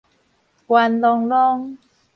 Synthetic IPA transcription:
kwa˧nlɔ˧ŋlɔ˧ŋ

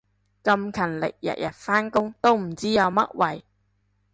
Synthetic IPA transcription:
kɐ˧mkʰɐ˨˩nlɪ̰˨k̚jɐ̰˨˩t̚jɐ˨t̚faː˥nkʊ˥ŋt̪o˥wm̩˨˩t͡siː˥jɐ˨˧wmɐ̰˥t̚wɐ˨˩j

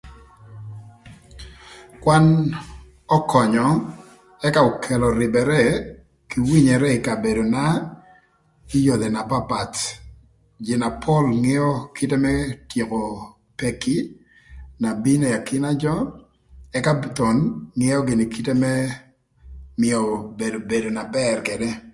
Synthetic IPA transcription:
kwa˦n | ɔ˦kʰɔ˨ɲɔ˨ | ɛ˦ka˦o˨kʰɛ˨lɔ˨ɾɪ˨bɛ˨ɾɛ˦ | ki˨wi˦ɲɛ˨ɾɛ˦ɪ˨ka˨be˨do˨na˦ | i˦jo˨d̪e˨na˨pa˦pa˨t | d͡ʒɪ˨na˨pʰɔ˦lŋe˦ɔ˦ki˦te˦mɛtje˨ko˨ | pe˨ki˦ | na˨bi˦ne˨ja˨kʰɪ˦na˦d͡ʒɔ˦ | ɛ˦ka˦bt̪ɔ˨nŋɪ˦jɔ˦ɡɪ˨ni˨kʰi˦te˦mɛ˦ | mɪɔ˨be˨do˨be˨do˨na˨bɛrke˨dɛ˦

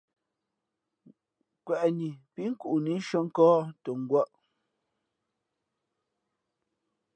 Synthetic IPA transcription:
kwɛ˨ʔɲi˨pi˦ŋ̩˦ku˦˨ʔu˨ni˨˦ʃo˦ŋ̩˦kɔː˦to˨ŋ̩˨ɡwa˦ʔ

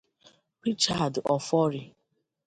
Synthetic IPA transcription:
pi˦t͡ʃa˨dɔ˨fɔ˦ɾi˨

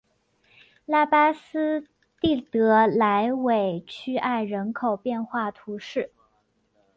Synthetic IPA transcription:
la˥˩pa˥sɹ̩˥ | t̪i˥˩t̪ɤ˧˥la˧˥ɪwe˨˩ɪt͡ɕʰy˥ʔa˥˩ɪɻə˧˥nkʰo˨˩ʊpjɛ˥˧nxwa˥˩t̪ʰu˧˥ʂɻ̩˥˩

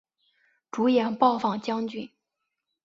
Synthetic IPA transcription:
ʈ͡ʂu˧˥jɛ˨˩npɑ˥˧ʊfɑ˥˩ŋt͡ɕjɑ˥ŋt͡ɕy˥˩n

